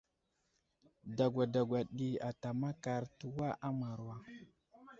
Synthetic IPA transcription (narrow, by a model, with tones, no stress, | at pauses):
da˨ɡʷa˨da˨ɡʷa˨ɗi˨a˨ta˨ma˦ka˨ɾtu˨wa˦ʔa˦ma˨ɾwa˨